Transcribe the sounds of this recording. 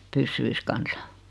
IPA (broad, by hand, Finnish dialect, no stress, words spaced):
pysːyis kɑnsɑ